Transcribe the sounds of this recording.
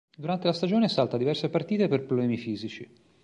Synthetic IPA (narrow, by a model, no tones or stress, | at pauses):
d̪uɾant̪elast̪ad͡ʒoːnesalt̪ad̪ivɛrsepart̪iːt̪eperpɾoblɛːmifiːzit͡ʃi